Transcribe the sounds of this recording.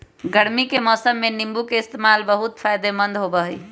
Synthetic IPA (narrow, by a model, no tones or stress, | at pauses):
ɡəɽmikemɔsəmːenimbukeɪst̪emalbəɦut̪pʰajd̪emənd̪ʱɦobəɦəj